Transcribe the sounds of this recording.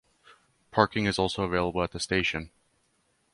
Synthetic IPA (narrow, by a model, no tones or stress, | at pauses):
pʰɑɹkɪ̃ŋɨzɔlˠsoʊəveɪlˠəbl̩ˠət̪̚ðɨsteɪʃɨ̃n